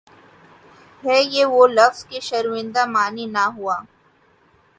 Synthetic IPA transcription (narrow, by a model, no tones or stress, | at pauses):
ɦɛːjeʋolɐfz̥keʃɐɾɪ̃nd̪amaːninaɦuaː